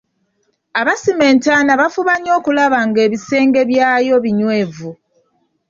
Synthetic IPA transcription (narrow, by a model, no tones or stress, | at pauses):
aβasime̞ːntaːnaβafuβaɲo̞ːkulaβaŋɡe̞ːβise̞ːŋɡe̞βjaːjo̞βiɲwe̞ːvu